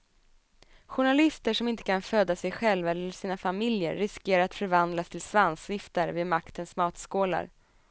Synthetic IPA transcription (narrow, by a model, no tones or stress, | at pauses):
ɧʊɳalɪst̪əʂɔmɪnt̪ə̥kʰanføːd̪asɛjɧɛlvaɛlːəʂiːnafamɪljə̰ɾːɪskeːɾaɾat̪fœɾvand̪last̪ʰɪlsvansvɪft̪əɾveːdmakt̪ʰənsmɑːt̪skoːla̰ɾ